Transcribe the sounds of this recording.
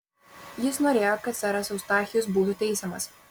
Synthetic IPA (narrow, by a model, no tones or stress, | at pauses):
jɪsnoːɾʲeːjokɐt̪sʲɛɾɐsɐʊst̪ɑːxʲɪjʊs̬buːt̪ʊt̪ʲɛɪsʲɛmɐ̰s